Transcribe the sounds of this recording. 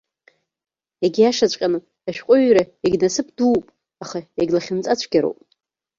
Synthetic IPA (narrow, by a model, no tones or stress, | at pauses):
jaɡʲijaʂat͡ɕʷʼqʲʼanɨ | aʃᶣqʷʼʊɥɾaeɡʲnasɨpʰduːpʼ | aχaeɡʲlaχʲɪnt͡sʼat͡ɕʷʰɡʲaɾo̰pʼ